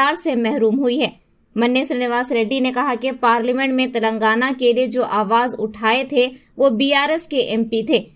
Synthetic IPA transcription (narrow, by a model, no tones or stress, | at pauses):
aːɾsemɛɦɾuːmɦʊiɦɛː | mɐnːeːsɾnɪʋaːsɾeːɖinekɐɦakepaːɾlimɛ̃ɳʈmẽt̪ɐlə̃ŋɡaːnakelied͡ʒoːʔaːʋaːzʊʈʰaːet̪ʰeʋoːbiːaːɾɛːskeʔɛ̃ːmpit̪ʰeː